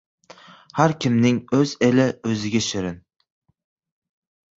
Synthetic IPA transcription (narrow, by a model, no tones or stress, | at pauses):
haɾkʲʰɪmnɪŋɵz̥elɪɵzɪɡʲaʃɪɾɪn